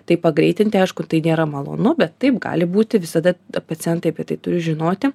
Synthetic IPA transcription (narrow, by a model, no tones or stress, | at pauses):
t̪ɐɪpɐɡɾʲɛɪt̪ʲɪnʲt̪ʲɪɐɪʃkʊt̪ɐɪnʲeːɾɐmɐlˠo̰ːnʊbʲɛt̪ːɐɪpɡɑ̰ːlʲɪbuːt̪ʲɪʋʲɪsɐd̪ɐpɐt͡s̪ʲɪɛnt̪ɐɪɐpʲiɛt̪ɐɪt̪ʊɾʲɪʒʲɪnoːt̪ʲɪ